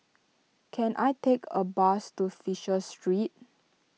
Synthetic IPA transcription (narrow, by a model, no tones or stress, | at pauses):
kʰɛ̃nʔajtekʰəbastufiʃəstɹit̚